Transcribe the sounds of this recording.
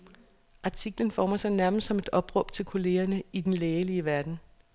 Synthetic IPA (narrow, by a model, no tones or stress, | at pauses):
ʔɑ̈t͡sʰiɡ̥lənfɒːmɐsɑ̈ɪnæɐməsd̥sɒ̽me̝d̥ɒ̽b̥ʁɔ̽b̥t͡sʰe̝lkʰo̝le̝ːɐnəid̥enleːliəʋæɐd̥n̩